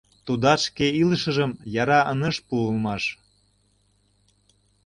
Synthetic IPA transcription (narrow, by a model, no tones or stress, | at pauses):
t̪ud̪ɑʃkeiləʃə̆ʒəmjɑɾɑʔənə̆ʃpuəlmɑʃ